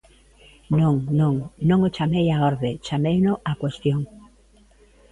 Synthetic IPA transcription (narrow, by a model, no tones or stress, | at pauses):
nõŋnõŋnõŋot͡ʃamejaɔɾðet͡ʃamejnoʔakwest̪joŋ